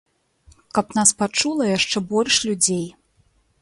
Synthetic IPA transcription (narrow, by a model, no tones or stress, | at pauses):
kɐpnaspat͡ʂulˠɐjaʂt͡ʂɛbɔlʲʂlʲud͡zʲej